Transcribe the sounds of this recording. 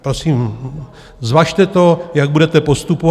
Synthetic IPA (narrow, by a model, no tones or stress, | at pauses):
pɾo̞siːm | zvaːʃt̪ɛt̪o̞jaɡ̚budɛt̪ɛpo̞st̪upo